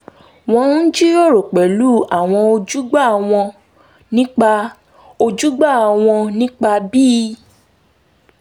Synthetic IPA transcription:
w̃ɔ̃˧n̩˦d͡ʒi˦o˦˨ɾo˨k͡pɛ˨lu˦˨a˨w̃ɔ̃˧o˧d͡ʒu˦ɡ͡ba˦˨w̃ɔ̃˧ | nĩ˦k͡pa˧ | o˧d͡ʒu˦ɡ͡ba˦˨w̃ɔ̃˧nĩ˦k͡pa˧bi˦˧˦

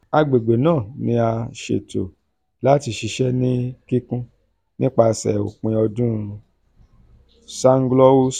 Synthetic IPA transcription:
a˧ɡ͡be˨ɡ͡be˨nãː˦˨nĩ˧a˧ʃḛ˨to̰˨ | la˦ti˧ʃi˧ʃɛ˦nĩ˦ki˦kũ˦ | nĩ˦k͡pa˧sɛ̰˨o̰˨k͡pĩ˧ɔ˧dũ˦˧ | sa˦ŋ̩˦ɡlɔ˦wo˦

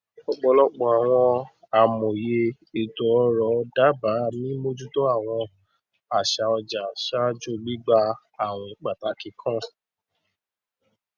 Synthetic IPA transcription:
ɔ˧ɡ͡bɔ˧lɔ˦k͡pɔ˨a˨w̃ɔ̃˧ | a˨mõ˨je˧ | e˨tɔ˨ɔ˧˦ɾɔ˨˦˧da˨˦ba˨˦˨mĩ˦mo˦d͡ʒu˦tɔ˦a˦˨w̃ɔ̃˧ | a˨ʃa˧ɔ˧d͡ʒa˨ʃa˦d͡ʒo˦˨li˦ɡ͡ba˧ | a˨w̃ɔ̃˧i˨k͡pa˨ta˨˦ki˨˦kʰã˦

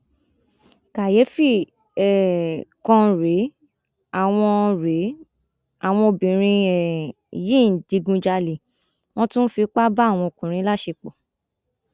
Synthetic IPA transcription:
ka˨je˨˦fi˦ | ɛ˨kɔ̃˧ɾe˨˦ | a˨w̃ɔ̃˧ɾe˨˦ | a˨w̃ɔ̃˧o˧bĩ˨ɾ̃ĩ˧ɛ˨ | jĩ˦˨n̩˨di˨˧ɡũ˧d͡ʒa˧le˨ | w̃ɔ̃˦tũ˦fi˧k͡pa˦ba˦˨w̃ɔ̃˧o˨kũ˨ɾ̃ĩ˧˦la˦ʃe˧k͡po˨

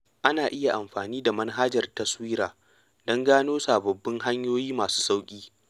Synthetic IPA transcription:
ʔa˦naː˨ʔɪ˦ja˨ʔa˨mɸaː˨niː˦da˨mɐ˦nɦa˦d͡ʒɐ˨rtɐ˦swiː˦ɾaː˨ | d̥ɔ˦ŋɡaː˦noː˦saː˨bɐ˨bːɪ˦ŋɦa˦ɲjoː˦jiː˦maː˨su̥ː˦sa˦wkʲʼiː˦

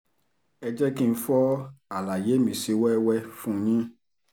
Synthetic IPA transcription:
ɛ˧d͡ʒɛ˦kĩ˦˧n̩˧fɔ˦a˨la˨je˨˦mĩ˨si˨˦wɛ˦wɛ˦fũ˦˨˦ɲĩ˦

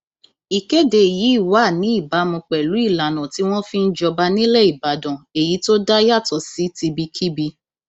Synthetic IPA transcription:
i˨ke˦de˧˨ji˨˦i˦˨wa˦˨nĩ˨˦i˦˨ba˨˦mũ˧k͡pɛ˨lu˨˦i˦˨la˨nɔ̃˨ti˨˦w̃ɔ̃˦fi˦n̩˦d͡ʒɔ˧ba˧nĩ˦lɛ˦˨i˨ba˨˦dɔ̃˨e˨ji˨˦to˦da˦ja˦˨tɔ˨˧si˨˦ti˧bi˧kʰi˦bi˧

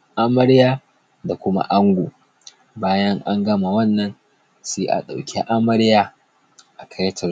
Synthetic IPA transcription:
ʔa˦mɐ˦ɽjaː˦ | da˨kʷʊ˦ma̰˦ʔa˦ŋɡʷo˨ | baː˦jɐ˦ŋʔa˦ŋɡɐ˦ma˨wɐ˦˨nːɐ˦n | seː˦ʔa̰˨ɗa˨wkʲʰḭ˦ʔa˦mɐ˦ɽjaː˦ | ʔa˨kʰɐ˦jtʰɐ˨

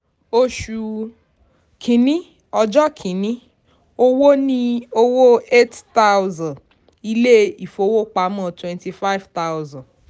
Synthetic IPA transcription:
o˧ʃu˨ | kʰĩ˨˦nĩ˦ | ɔ˧d͡ʒɔ˦kʰĩ˨˦nĩ˦ | o˧wo˦nĩ˦o˧wo˦e˦tta˦wzã˨ | i˧le˦i˨fo˧˦wo˦k͡pa˨˦mɔ̃˦˨twɛ̃˧nti˧fa˦i˦vta˦wzã˨

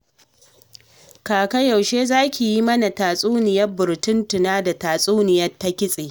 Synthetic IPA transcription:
kaː˨kɐ˦ja˨wʃeː˦zaː˦kʲi˨ji˦mɐ˦na˨taː˨sʼuː˦nɪ˨jɐ˦bʊ˨ɾtʊ˦ntʊ˨naː˦da˨taː˨sʼuː˦nɪ˨jɐ˦tːa˦kʲɪ˦sʼeː˨

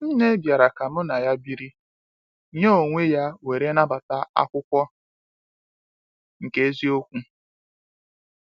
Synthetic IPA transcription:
n̩˦ne˦bja˨ɾa˨ka˨mʊ˦na˨ja˦bi˦ɾi˦ | ɲe˦o˨ŋʷe˦ja˦we˨ɾe˦na˦ba˨ta˦a̰˦kʷʊ˦kʷɔ˦ | ŋ̩˨ke˦zi˦o˦kʷu˦

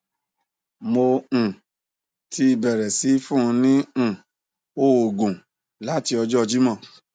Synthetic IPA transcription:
mõ˧˨ | tʰi˧˦i˧bɛ˨ɾɛ˨si˨˦fũ˦˧nĩ˦˨ | o˦o˨ɡũ˨ | la˨˦ti˧ɔ˧d͡ʒɔ˦ɔ˧d͡ʒi˦mã˦˨

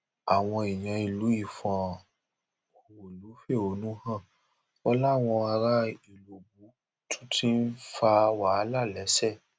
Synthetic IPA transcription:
a˨w̃ɔ̃˧i˨j̃ã˨i˨lu˨˦i˦˨fã˨ | o˨wo˨lu˨˦fe˦˨o˨˦nũ˦hã˦˨ | ɔ˧la˦˨w̃ɔ̃˧a˧ɾa˧i˨lo˨bu˨˦ | tʰũ̥˦tʰĩ˦n̩˦fa˧wa˨˦˧la˦˨lɛ˨˦sɛ˦˨

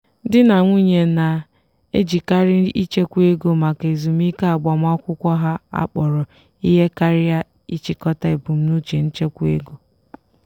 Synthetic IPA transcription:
dɪ˦na˨ŋʷu˦ɲe˨na˨ | e˦d͡ʒi˨ka˦ɾɪ˦i˦t͡ʃe˦kʷu˦e˦ɡo˦ma˨ke˨zu˨m˦i˦ka˦a˨ɡ͡ba˨m˦ɔ˦kʷʊ˦kʷɔ˦ɦa˦a̰˦k͡pɔ˨ɾɔ˨ | i˦ɦe˦ka˦ɾɪ˦ja˦ | i˦t͡ʃi˨kɔ˦ta˦e˨bu˨m̩˦nu˦t͡ʃe˨n̩˦t͡ʃe˦kʷu˦ḛ˦ɡo˦

